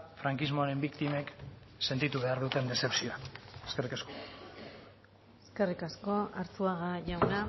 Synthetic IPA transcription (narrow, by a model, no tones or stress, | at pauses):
fɾaŋkizmo̞aɾe̞mbikt̪ime̞k | se̞nt̪it̪uβe̞aɾðut̪e̞nd̪e̞se̞psioaeske̞rikasko̥ | eske̞rikasko̞aɾt͡s̪uaɣaʝawna